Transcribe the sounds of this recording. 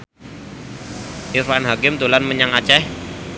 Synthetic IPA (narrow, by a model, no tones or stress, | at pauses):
ʔɪɾfanɦakɪmt̪o̤lanməɲaŋat͡ʃɛh